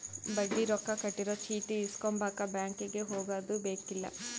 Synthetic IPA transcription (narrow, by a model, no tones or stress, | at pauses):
bɐɖːiɾɔkːɐkɐʈːiɾot͡ʃiːʈiːskombaːkɐbjaːŋkiɡeɦoːɡaːd̪ubeːkilːɐ̰